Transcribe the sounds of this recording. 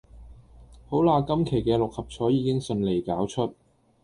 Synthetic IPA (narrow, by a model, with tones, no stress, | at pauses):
ho˨˥wlaː˧kɐ˥mkʰe˨˩jkɛː˧lʊ˨k̚hɐ˨p̚t͡ʃʰɔː˨˥jiː˨˧˥kɪ˥ŋsɵ˧nle˨˩jkaː˨˥wt͡ʃʰɵ˥t̚